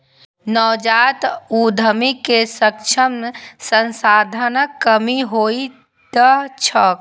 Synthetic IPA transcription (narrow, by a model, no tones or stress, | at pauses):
nɔːd͡ʒat̪ud̪ʱəmikesək̚t͡ʃʰəmsənsad̪ʱənəkːəmiɦoi | t̪ət͡ʃʰək